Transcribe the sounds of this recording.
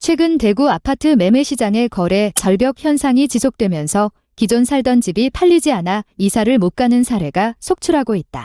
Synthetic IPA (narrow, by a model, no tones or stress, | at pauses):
t͡ɕʰwe̞ɡɯnte̞ɡuapʰatʰɯme̞me̞ɕʰid͡ʑaŋe̞kʌɾe̞t͡ɕʌɭbjʌk̚çjʌnsʰaŋit͡ɕisʰok̚t͈we̞mjʌnsʰʌ | kid͡ʑonsʰaɭdʌnd͡ʑibipʰaʎːid͡ʑianaisʰaɾɯɭmot̚k͈anɯnsʰaɾe̞ɡasʰok̚t͡ɕʰuɾɦaɡoit̚t͈a